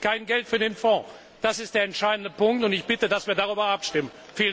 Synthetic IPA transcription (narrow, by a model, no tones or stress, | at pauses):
kaɪnɡɛltfyːɐdeːnfɔ̃ː | d̥asɪstd̥eːɐɛntʃaɪdn̩dəpʊŋk̚tʊntɪçb̥ɪtədasv̥iːɐdaʁ̞yːbɐʔapʃtɪmən | fiː